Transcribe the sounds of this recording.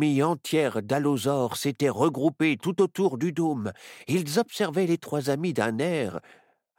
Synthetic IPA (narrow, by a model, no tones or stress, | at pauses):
iɑ̃t̪jɛʁd̪alozɔʁset̪ɛʁəɡʁupet̪ut̪ot̪uʁd̪yd̪omilzɔpsɛʁvɛlet̪χwazamid̪ɛ̃nɛʁ